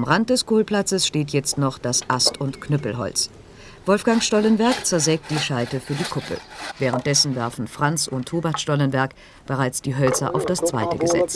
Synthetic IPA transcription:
amʁant̚d̥ɛskoːlpl̥at͡səsʃteːtjɛt͡stnɔχd̥asʔastʊntknœpl̩ɦɔ̰lt͡s | v̥ɔlfɡ̥aŋʃtɔlənvɛɐkt͡sɛɐzɛːk̚t̚d̥iːʃaɪtəfyːɐdiːkʰʊpl̩̰vɛːʁ̞ənt̚d̥ɛsn̩vɛɐfn̩fʁ̥ant͡sʊntʰːoːbɐtʃtɔlənvɛɐk | b̥əʁaɪt͡sd̥iːɦœlt͡sɐ̰ʔa̰ʊfd̥ast͡sv̥aɪtəɡəzɛ̰t͡s

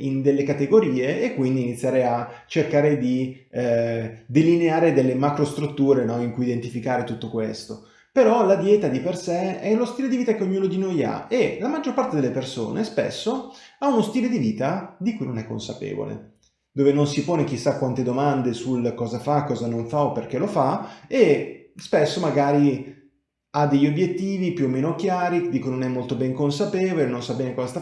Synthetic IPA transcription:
ind̪elːekat̪eɡoɾiːeːkːwind̪iːnit̪sʲːjaːɾeat͡ʃerkaːɾed̪i | d̪elineaːɾed̪elːemakɾost̪ɾut̪ːuːɾenɔiŋkujid̪ent̪ifikaːɾet̪ut̪ːokwḛst̪o | peɾɔlad̪jɛːt̪ad̪ipersɛɛlost̪iːled̪iviːt̪akeoɲːuːnod̪inoja̰elamad͡ʒːorpart̪ed̪elːeperso̰ːnespḛsːoaunost̪iːled̪iviːt̪ad̪ikujnonɛkːo̰nsa̰pḛːvo̰lḛ | d̪oːvenonsipoːnek̟isːakːwant̪ed̪omand̪esulkɔːzafakːɔːzanoɱfaopːerk̟elofae | spesːomaɡaːɾi | ad̪eʎːobjet̪ːiːvipjuoːmːeːnokjaːɾid̪ikujnonɛmːolt̪obɛŋkonsapeːvolenonsabːɛːnekɔzast̪a

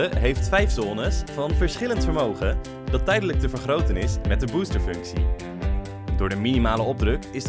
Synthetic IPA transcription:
əɦejftfɛjfsɔːnəsfɑnvəɹsχɪləntfəɹmowχə | dɑtːɛjdələk̚təvəɹχrowtənɪsmɛt̚dəbustəɹfɵŋksḭ | dʊːɹdəminimaːləɔb̚drɵkɪs

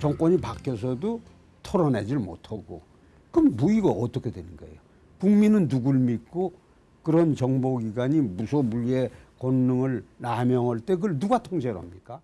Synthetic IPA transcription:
t͡ɕʌŋk͈ʌɲipakʰjʌs̬ʰʌdo | tʰʌɾʌned͡ʑiɭmo̰tʰaɡo̰ | kɯmːuiɡaʔʌt͈ʌkʰedwe̞nɯnɡʌ̰ḛjo | kuŋminɯnːuɡuɭmik̚k͈o | kɯɾʌnt͡ɕʌŋboɡiɡaɲimusʰʌbuʎiekʌnːɯŋɯɭnamjʌŋɦaɭt͈e̞k̬ɯɭnuɡatʰoŋd͡ʑeɾʌ̰mɲik͈a

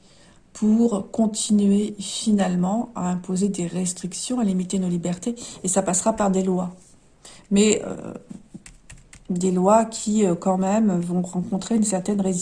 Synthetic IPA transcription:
pʰuʁkɔ̃t̪ʰinɥefinalmɑ̃a̰ɛ̃pozed̪eʁɛst̪χiksjɔ̃alimit̪enolibɛʁt̪eesapasχapaʁd̪elwa | mɛø̰ | d̪elwakʲʰiøkɑ̃mɛmvɔ̃ʁɑ̃kɔ̃t̪χeynsɛʁt̪ɛnʁez

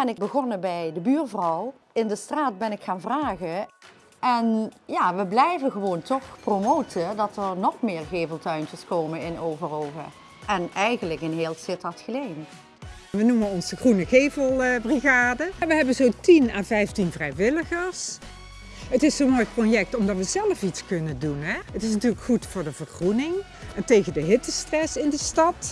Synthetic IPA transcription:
ɛnɪɡbəɣɔnəbɛjdəbyːrvrɔw | ɪndəstraːt̚bɛnɪkxaːnvraːɣə | ʔɛnjaːʋəblɛjvəɣəʋowntɔxpromowtʰədɑtəɹnɔxmɪːɹɣeːvəlˠtœɥntəskowmənɪnowvərowvə̰ | ʔɛnɛjɣənləkɪnɦeːlˠsɪtɑtxəlejm | ʋənumənɔnzəxrunəɣejvəlˠbriɣaːdəʋəɦɛbənzoːtinaːvɛjftinvrɛjʋɪləɣəɹs | ɦətɪsomojprojɛk̚tɔmdɑtʋəzɛləfitskɵnəndunɦɛətɪsnɑtyːləkxutfʊːɹdəvərxrunɪŋ | ɛntejɣəndəɦɪtəstrɛsɪndəstɑt

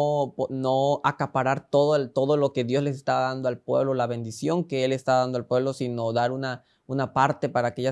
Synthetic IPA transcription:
ponoakapaɾaɾt̪o̞ðot̪o̞ðo̞lo̞ke̞ðjo̞zles̬est̪aβaðand̪oalpwe̞̰βlo̞laβe̞nd̪isjo̞ŋke̞e̞lest̪aβaðand̪oalpwe̞βlo̞sino̞ðaɾuna | unapaɾt̪e̞paɾaːke̞ʝa

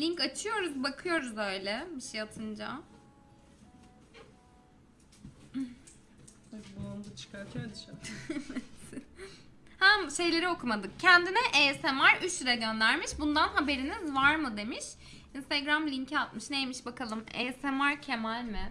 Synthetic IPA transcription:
lʲiɲkat͡ʃʰɯjo̞ɾuzbakʰɯjo̞ɾuzø̞jlʲɛbiʃijat̪ʰɯnd͡ʒa | abuand̪at͡ʃʰɯ̥kʰaɾt̪ʰad̪iʃaɛvɛt̪ | hæmʃe̞jlʲe̞ɾio̞kʰumad̪ɯkcʰænd̪inɛʔesɛmaɾyt͡ʃ̪iɾaɟø̞nd̪æɾmiʃbund̪anɦabe̞ɾinizvaɾmɯd̪e̞miʃ | inst̪ʰaɡɾamlʲiɲcʰiat̪mɯʃnejemiʃbakalˠɯmḛːsɛmaɾcʰemælʲmɪ

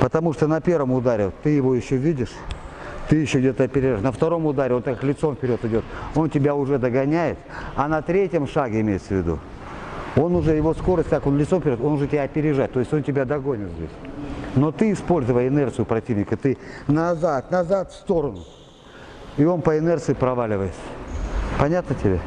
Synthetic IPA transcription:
pət̪ɐmuʂt̪onɐpʲe̞rvəmʊd̪aɾʲɪt̪ɨjɪvo̞jɪɕːovʲidʲɪʂ | t̪ɨjɪɕːovɪdʲot̪ɐpʲɪɾʲɪʐatʲnəft̪ɐɾo̞mʊd̪aɾʲɪo̞nt̪akaklʲɪt̪so̞mfpʲɪɾʲot̪ɨdʲo̞t̪o̞ntʲɪbʲaʊʐɛd̪əɡɐnʲæjɪt̪ɐnɐt̪ɾʲetʲjəmʂaɡʲɪɪmʲejɪt̪səvʲɪd̪ṵ | o̞nʊʐɛjɪvo̞sko̞ɾəstʲt̪ako̞nlʲɪt̪somfpʲɪɾʲoo̞nʊʐɛtʲɪbʲaɐpʲɪɾʲɪʐat̚ʲt̪o̞jɪsʲtʲo̞ntʲɪbʲad̪ɐɡo̞nʲɪt̪zʲdʲḛsʲno̞t̪ɨɪspo̞lʲzɨvəjɪnɛrt̪sɨjʊpɾɐtʲivnʲɪkət̪ɨnɐzat̪nɐzat̪fst̪o̞ɾənʊ | io̞npəɪnɛrt̪sɨjɪpɾɐvalʲɪvəjɪt̪sə̥pɐnʲat̪nətʲɪbʲe

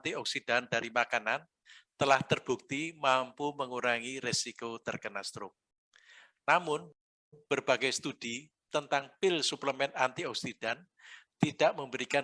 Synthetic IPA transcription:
t̪iɔksid̥and̥aɾimakanan | t̪əlaht̪ərb̥ṳk̚t̪imampuməŋuɾaŋiresikot̪ərkənast̪ɾʊ | namʊn | b̥ərb̥aɡɛjst̪ud̥i | t̪ənt̪aŋpɪlsupləmɛnant̪iɔksid̥an | t̪id̥aʔməmbəɾika

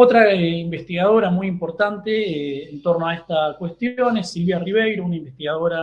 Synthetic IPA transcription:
ot̪ɾaeimbest̪iɣað̞o̞ɾamujimpo̞ɾt̪ant̪eːnt̪o̞ɾnoaest̪akwest̪jo̞nesːilβjariβejɾounaimbest̪iɣaðo̞ɾa

